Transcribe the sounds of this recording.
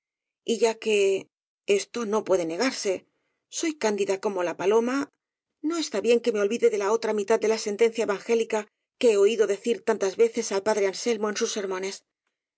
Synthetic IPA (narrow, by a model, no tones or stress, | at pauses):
iʝake̞ | e̞st̪o̞no̞pwe̞ðe̞ne̞ɣaɾse̞ | so̞jkand̪iðako̞mo̞lapalo̞ma | no̞e̞st̪aβje̞ŋke̞me̞o̞lβiðe̞ðelao̞t̪ɾamit̪aðd̪e̞lase̞nt̪e̞n̟θjaeβaŋxe̞lika | ke̞eo̞iðo̞ðe̞θiɾt̪ant̪azβe̞θe̞salpaðɾe̞anse̞lmo̞e̞nsusːe̞ɾmõ̞ne̞s